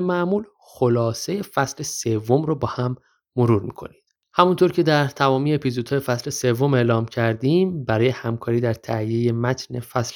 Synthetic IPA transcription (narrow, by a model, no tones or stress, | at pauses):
mæmuːl | xo̞lɒːse̞je̞fæsle̞se̞vːomɾobɒːhæmː | oɾuːɾmḭːkʰo̞̰nid̪̥ | hæmunt̪ʰoːɾcʰe̞d̪æɾt̪ʰæmɒːmiːjeepʰizod̪hɒːjefæsle̞se̞vːo̞me̞ʔlɒːmcʰæɾd̪iːmbæɾɒːje̞hæmkʰɒːɾiːd̪æɾt̪ʰæhijeje̞mæt̪ʰne̞fæsl